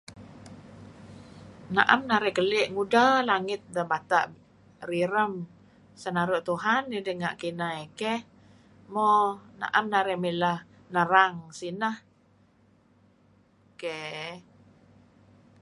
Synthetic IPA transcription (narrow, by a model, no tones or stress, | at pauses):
naʔamnaɾɛʔkəlɛʔŋudalaŋɪt̪̚dəbat̪a̰ʔ | riɾəm | sənaɾoʔt̪uɦanːidəŋa̰ʔkinaekɛ | mona̰ʔamnaɾɛʔmiləh | nəɾaŋsinəh | ke